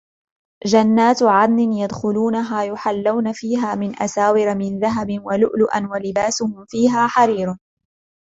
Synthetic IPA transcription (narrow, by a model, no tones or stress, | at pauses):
d͡ʒanːaːt̪ʕad̪nɪnjad̪xʊluːnaɦaːjʊħalːawnafiːɦaːmɪnʔa̰saːwɪɾmɪnðaɦabɪnwalʊʔlʊʔanwalɪbaːsʊhʊmfiːɦaːħaɾiːɾʊ